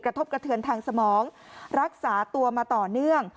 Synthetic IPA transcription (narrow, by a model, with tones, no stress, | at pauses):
kɾa˧t̪ʰo˦˥p̚kɾa˧t̪ʰɯ˧ənt̪ʰaː˧ŋsa˧mɔː˩˦ŋ | ɾa˦˥k̚saː˩˦t̪u˧ɐmaː˧t̪ɔː˨˩nɯ˥˩əŋ